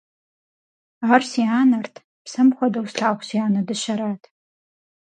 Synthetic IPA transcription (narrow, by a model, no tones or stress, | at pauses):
ʁɐrsiːaːnɐrtʰ | psɐmxʷɔdɐwsɬaːχʷsiaːnɐdɨɕɐɾaːtʰ